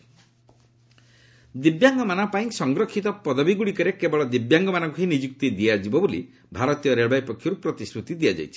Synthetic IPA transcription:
d̪ibjaŋɡɔmanɔpaĩsɔŋɡɾɔkʰːit̪ɔpɔd̪ɔbiɡuɽikɔɾekebɔɭɔd̪ibjaŋɡɔmanɔŋkuɦinid͡ʒuk̚t̪id̪iad͡ʒibɔbolḭ | bʱaɾɔt̪ijɔɾeɭbajpɔkʰːjɔɾupɾɔt̪isɾut̪id̪iad͡ʒa̰jt͡ʃʰi̥

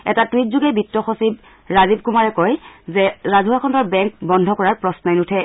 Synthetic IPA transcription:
ɛ̰tatwitzuɡɛbitːɔxosib | ɹazib̚kumaɹɛkɔjzɛɹazuɦakʰɔndɔɹbɛŋkbɔndʱɔkɔɹaɹpɹɔsnɔjnutʰɛ

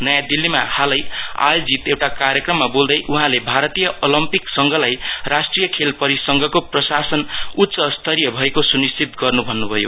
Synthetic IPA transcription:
nʌjãd̪ilːimahalʌja̰jod͡zit̪ewʈakarjʌkrʌmːabold̪ʌjʔuɦãlebʱaɾʌt̪ijʌʔolʌmpiksʌŋɡʱʌlajrasʈrijʌkʰelpʌɾisʌŋɡʱʌkoprʌsasʌnut̪ːsʌst̪ʰʌɾijʌbʱʌekosunist̪ʰit̪ɡʌrnubʱʌnːubʱʌjo̰

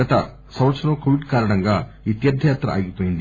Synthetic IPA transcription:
ɐt̪ɐ̰ | sɐ̃mɐt̪sɐnɐmkoːʋiɖkaːɾɐɳɐŋɡaːʋit̪jɐd̪ʱɐjaːt̪ɾɐ̰a̰ːɡipoːjind̪i

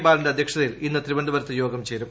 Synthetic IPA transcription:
baːɾɐɳɖeɐd̪ʱjɐkʂɐðɐjilinːɨt̪ribɐnd̪ɐbɐɾɐt̪ːɐjo̞ːɡɐmt͡ɕeːɾum

